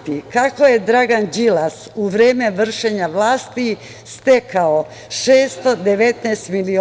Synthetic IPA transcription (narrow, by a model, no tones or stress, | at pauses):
t̪ikako̞je̞d̪ɾaɡand͡ʒilasuʋɾeːme̞ʋr̩ʃeɲaʋlaːst̪i | st̪e̞kao | ʃeːst̪o̞d̪e̞ʋe̞t̪neːst̪milio